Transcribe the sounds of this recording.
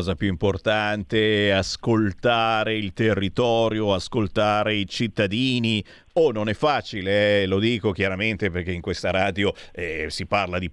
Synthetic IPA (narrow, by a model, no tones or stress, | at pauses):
ɔzapjuimport̪ant̪easkolt̪aːɾeilt̪erːit̪ɔːɾjoaskolt̪aːɾeit͡ʃit̪ːad̪iːni | ononɛfːaːt͡ʃileɛlod̪iːkok̟jaɾament̪eperk̟eiŋkwest̪aɾaːd̪joɛsiparlad̪i